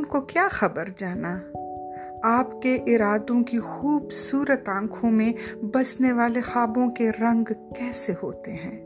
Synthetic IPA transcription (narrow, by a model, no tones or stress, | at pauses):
ʊnkokjaːxɐbəɾd͡ʒaːna | aːpkeʔɪɾaːd̪õkixuːbsuːɾət̪ãːkʰõmẽbɐsneʋaːlexaːbõkeɾɐ̃ŋɡkɛːseɦoːt̪eɦɛ̃ː